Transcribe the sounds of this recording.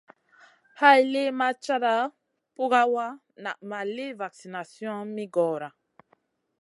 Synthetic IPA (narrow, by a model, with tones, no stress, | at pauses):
ha˦jle˦ma˦t͡ʃa˦ɾa˦ | pu˦ɡa˦wa˦ | na̰˨ʔma˨le˦va˨ksi˨na˨sjɔ̃˦mi˦ɡɔ˨ɾa˨